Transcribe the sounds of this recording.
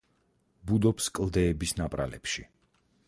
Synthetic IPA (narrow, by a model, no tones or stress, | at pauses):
bud̪ɔpskʼlˠd̪ɛːbisnapʼɾa̰lɛ̰pʃi